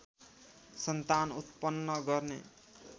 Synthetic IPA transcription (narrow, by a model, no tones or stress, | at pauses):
sʌnt̪anut̪pʌnːʌɡʌrnḛ